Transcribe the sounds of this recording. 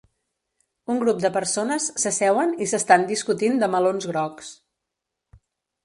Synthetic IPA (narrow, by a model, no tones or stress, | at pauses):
uŋɡɾup̚d̪əpəɾsonəsːəsɛwənisəst̪and̪iskut̪ind̪əməlonzɣɾɔks